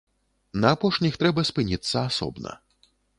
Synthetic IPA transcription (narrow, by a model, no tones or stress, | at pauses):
nɐːpɔʂnʲixt̪ɾɛbɐspɨnʲit̪sːɐasɔ̰bnɐ̰